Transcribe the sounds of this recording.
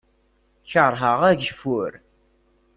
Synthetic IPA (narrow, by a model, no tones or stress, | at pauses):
çəɾˤɦəʁæʝfʊɾ